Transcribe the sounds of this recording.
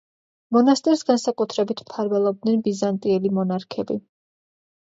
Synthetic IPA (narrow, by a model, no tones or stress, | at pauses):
mɔnast̪ʼɛɾsɡansakʼut̪ʰɾɛbit̪ʰmt̪ʰaɾvɛlˠɔb̚d̪nɛnbizant̪ʼiɛlimɔnaɾkʰɛbi